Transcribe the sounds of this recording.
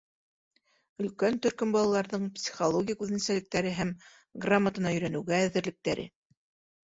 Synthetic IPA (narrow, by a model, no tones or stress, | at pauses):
ɵ̆lkænt̪ɵ̆ɾkɵmbɑlˠɑlˠɑɾðɤɴpsʲi̥χolˠoɡʲijaʉðɘ̆nsælɘ̆k̚t̪æɾɘɦæm | ɡramːət̪ɤ̆nɑɵ̆jɾænɘ̆wɡæːðɘ̆ɾlɘ̆k̚t̪æɾɘ̰